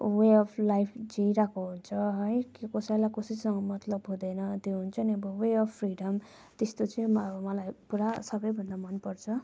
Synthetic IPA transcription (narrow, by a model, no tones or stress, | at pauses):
weʌpʰlajpʰd͡ziɾakoɦunt͡sʰʌɦʌjkikosajlajkʌsisʌŋɡʌmʌt̪lʌbɦũd̪ʌjnʌd̪ĩɦunt͡sʰʌniʌbʌweʌpʰːriɖʌm | t̪est̪ot͡sʌĩmʌbʌmʌlajpuɾasʌbʌjbʱʌnd̪amʌnpʌrt͡sʰʌ